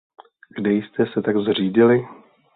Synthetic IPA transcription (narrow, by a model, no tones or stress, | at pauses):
ɡdɛjst̪ɛsɛt̪aɡzr̝iːɟɪlɪ